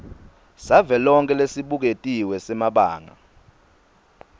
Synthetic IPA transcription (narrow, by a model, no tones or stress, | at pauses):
savɛlɔŋkʼɛlesiɓuk̬etʼiwɛsɛmaɓaːŋa̰